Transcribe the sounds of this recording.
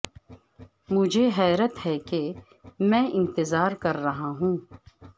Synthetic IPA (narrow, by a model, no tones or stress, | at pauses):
mʊd͡ʒʱeɦɛːɾət̪ɦɛke | mɛ̃ːʔɪ̃nt̪ɪzaːɾkɐɾːɐɦaɦũː